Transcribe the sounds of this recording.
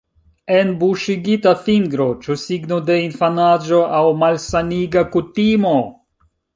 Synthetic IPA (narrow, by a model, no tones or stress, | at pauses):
e̞nbuʃiɡitafiŋɡɾo̞t͡ʃusiɡnode̞infanad͡ʒo̞ʔawmalsaniɡakutimo̞